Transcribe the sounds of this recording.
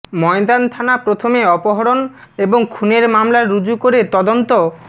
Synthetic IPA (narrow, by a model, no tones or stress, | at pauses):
mɔed̪ant̪ʰanapɾot̪ʰomeɔpoɦɔɾon | eboŋkʰuneɾmamlaɾud͡ʑukoɾet̪ɔd̪ont̪o